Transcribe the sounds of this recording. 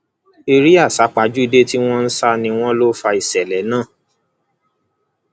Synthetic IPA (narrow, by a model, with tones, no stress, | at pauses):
e˧ɾi˦a˦˨sa˨˦k͡pa˨˦d͡ʒu˦i˧de˦ti˦w̃ɔ̃˦n̩˦sa˦nĩ˧w̃ɔ̃˦lo˦fa˧i˨sɛ˨lɛ˨˦nãː˦˨